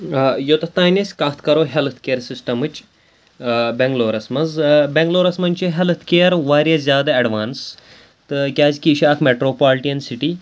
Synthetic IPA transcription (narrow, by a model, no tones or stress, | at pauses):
jot̪ɐt̪aːnʲesʲkɐt̪ʰkɐɾoːɦelt̪ʰkeːɾsisʈɐmɨt͡ʃ | beŋɡloːɾɐsmɐzbeŋɡloːɾɐsmɐnʲt͡ʃiɦelt̪ʰkeːjɐɾʋaːɾʲjɐzʲjaːd̪aɐɖʋaːns | t̪ɨkʲaːzʲkiːʃaːkʰmeʈɾoːpaːlʈijɐnsiʈiː